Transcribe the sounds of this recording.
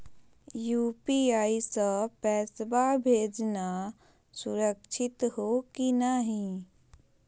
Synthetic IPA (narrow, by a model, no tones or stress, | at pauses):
jupiaisəpɛːsbabʱeːd͡ʒna | suɾəkt͡ʃʰɪt̪ɦokinəɦĩ